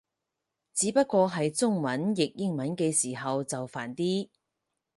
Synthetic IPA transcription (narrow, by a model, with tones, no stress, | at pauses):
t͡siː˨˥pɐ˥t̚kʷɔː˧ɦɐ˨jt͡sʊ˥ŋmɐ˨˥njɪ˨k̚jɪ˥ŋmɐ˨˥nkɛː˧siː˨˩ɦɐ˨wt͡sɐ˨wfaː˨˩nt̪iː˥